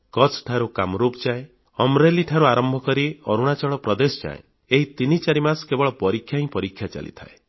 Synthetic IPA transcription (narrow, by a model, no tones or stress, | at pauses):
kɔt͡ʃʰʈʰaɾukamɾupt͡ʃae | ɔmɾeliʈʰaɾuaɾɔmbʱɔkɔɾiɔɾuɽ̃at͡ʃɔɭɔpɾɔd̪esɔ̥t͡ʃa̰ḛ̃ | eɦit̪init͡ʃaɾimaskebɔɭɔpɔɾikʰːjaɦĩpɔɾikʰːjat͡ʃa̰lḭt̪ʰa̰e